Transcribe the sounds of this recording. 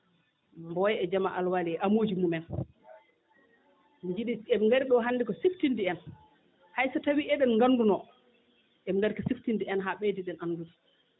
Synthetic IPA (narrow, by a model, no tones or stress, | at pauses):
mbɔjɛd͡ʒamaʔalwaliʔamoːd͡ʒimumɛn | mid͡ʒiɗiɛmiŋɡaɾiɗɔɦanːdikɔsiftindiɛn | hajsatawiʔɛɗɛnŋɡanːdunɔ | ʔɛmŋɡaɾikɔsiftindiɛnɦaɓɛdiɗɛnʔanːdudi